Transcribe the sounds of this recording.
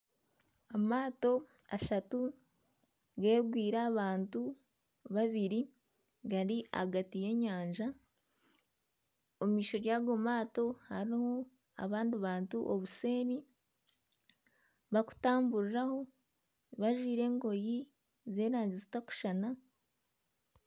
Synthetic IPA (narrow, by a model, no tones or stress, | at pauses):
amaːto̞ | aʃatu | ɡe̞ːɡwiːɾaːβaːntu | βaβiɾi | ɡaɾiʔa̰ɡatije̞ɲaːɲʒa | omiːʃo̞ɾjaːɡo̞maːto̞haɾiho̞ | a̰βaːndiβaːntuʔoβuse̞ːni | βaku̥taːmbuɾiɾaho̞ | βaʒwiːɾe̞ːŋɡo̞ji | ze̞ːɾaːɲɟizitaku̥ʃana